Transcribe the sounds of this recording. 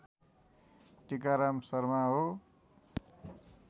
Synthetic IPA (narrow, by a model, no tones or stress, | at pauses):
ʈikaɾamsʌrmaɦo